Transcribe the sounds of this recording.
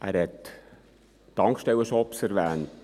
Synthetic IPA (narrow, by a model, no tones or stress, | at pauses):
ʔæːɾhɛt̪ | tɑŋkʃtɛwəʃɔɔpsɛɾʋæːnt